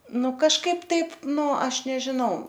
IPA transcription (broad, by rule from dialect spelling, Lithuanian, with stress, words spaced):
ˈnʊ kɐʃˈkɐɪp ˈtɐɪp ˈnʊ ˈɐʃ nʲɛʒʲɪˈnɐʊ